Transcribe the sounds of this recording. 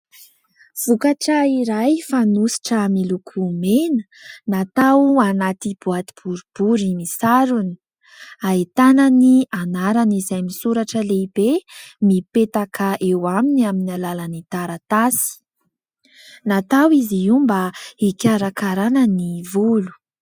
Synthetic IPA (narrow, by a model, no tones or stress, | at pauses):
v̥ukaʈ͡ʂəiɾajfanusi̥ʈ͡ʂəmilukʰumenə | nat̪awanat̪ib̥uat̪ib̥uɾub̥uɾimisaɾuni̥ | ait̪ananianaɾanizajmisuɾaʈ͡ʂəleibemipet̪akʰaʔewaminiaminalalanit̪aɾat̪asi̥ | nat̪awiziumbaikʲaɾakaɾanənivulu̥